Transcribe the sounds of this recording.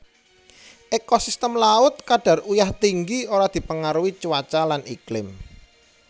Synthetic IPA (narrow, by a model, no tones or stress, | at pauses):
ʔekosist̪əmlaʊt̪̚kaɖ̥a̤rujaht̪iŋɡioɾad̪̥i̤pəŋaɾuwit͡ʃuwat͡ʃalanʔiklɪm